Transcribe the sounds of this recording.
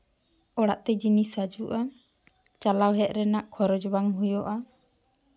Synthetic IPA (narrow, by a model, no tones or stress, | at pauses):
ɔɽaʔt̪ɛd͡ʒinisad͡ʒuʔa | t͡ʃalawɦɛʔ̪̚ɾɛnaʔkʰɔɾɔd͡ʒbaŋɦujɔʔa